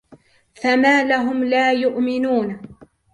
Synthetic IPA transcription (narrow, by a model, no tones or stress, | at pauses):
famaːlaɦʊmlaːjʊʔmɪnuːn